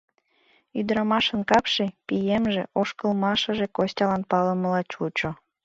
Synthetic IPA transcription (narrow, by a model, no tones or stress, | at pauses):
yd̪ɾɑmɑʃənkɑpʃepijemʒḛʔoʃkəlmɑʃəʒekosʲtʲɑlɑnpɑləməlɑt͡ɕut͡ɕo